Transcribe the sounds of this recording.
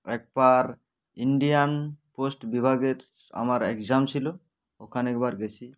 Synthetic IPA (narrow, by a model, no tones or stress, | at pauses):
ɛk̚baɹ | iɳɖijanposʈbibʱaɡet | a̰maɹɛkzamsilɔ | ɔkʰanɛk̚baɹɡɛsʰi